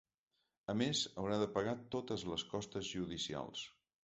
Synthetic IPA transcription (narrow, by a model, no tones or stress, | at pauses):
əmezəwɾaðəpəɣat̪ot̪əzləskɔst̪əzʒuðisia̰lˠs